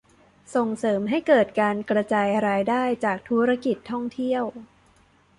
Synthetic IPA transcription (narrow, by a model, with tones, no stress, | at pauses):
so˨˩ŋsɤː˩˦mɦa˥˩jkɤː˨˩t̪̚kaː˧nkɾa˧t͡ɕaː˧jɾaː˧jdaː˥˩jt͡ɕaː˨˩k̚t̪ʰu˦˥ɾa˦˥ki˨˩t̪ʰːɔ˥˩ŋt̪ʰi˥˩əw